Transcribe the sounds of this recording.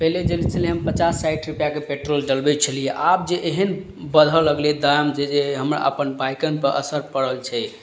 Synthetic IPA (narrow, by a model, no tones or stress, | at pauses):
pɛɦled͡ʒelit͡ʃʰəliɦəmpət͡ʃasːaiʈʰɾupjakepeʈɾolɖəlbɛt͡ʃʰəlijeʔab̚d͡ʒeʔeɦən | bəd̪ʱələɡled̪ajmd͡ʒed͡ʒeɦəmɾa̰ʔə̰pənbajkənpəɾʔə̰səɾpəɽəlt͡ʃʰɛ